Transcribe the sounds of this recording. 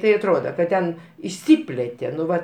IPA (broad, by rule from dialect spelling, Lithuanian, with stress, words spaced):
ˈtɐɪ ɐtˈroːdɐ kɐ ˈtʲɛn ɪʃʲˈsʲɪpʲlʲeːtʲeː nʊ ˈʋɐ